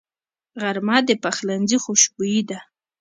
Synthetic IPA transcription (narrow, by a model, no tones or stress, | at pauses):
ɣaɾmɑd̪əpaxlanzixuʃbujid̪a